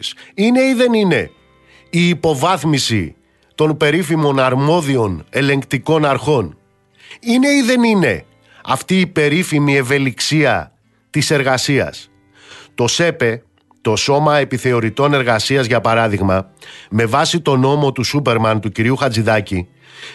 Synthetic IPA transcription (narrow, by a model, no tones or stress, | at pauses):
ine̞iðe̞nine̞ | iːpo̞vɐθmisi | t̪o̞npe̞ɾifimo̞nɐɾmo̞ðio̞ne̞le̞ŋkt̪iko̞nɐɾxo̞n | ine̞iðe̞nine̞ | ɐft̪iːpe̞ɾifimie̞ve̞liksiɐ | t̪ise̞ɾɣɐsiɐ̰s | t̪o̞se̞pe̞ | t̪o̞so̞mɐe̞piθe̞o̞ɾit̪o̞ne̞ɾɣɐsiɐzʝɐpɐɾɐðiɣmɐme̞vɐsit̪o̞no̞mo̞t̪usupe̞ɾmɐnt̪uciɾiuxɐd͡ziðɐci